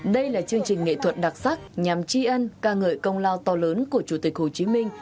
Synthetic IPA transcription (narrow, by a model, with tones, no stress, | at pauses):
ɗə˧jlaː˨˩t͡ɕɨ˧əŋt͡ɕï˨˩ŋ̟ŋḛ˧˨t̪ʰwə˨˩t̚ɗa˨˩t̚sa˦˥k̚ɲa˨˩mt͡ɕi˧ʔə˧nkaː˧ŋə̰ː˧˨jkə˧wŋ͡mlaː˧wt̪ɔ˧ləː˨˦nku˧˩ət͡ɕu˧˩t̪ï˨˩k̚ho˨˩t͡ɕi˨˦mï˧ŋ̟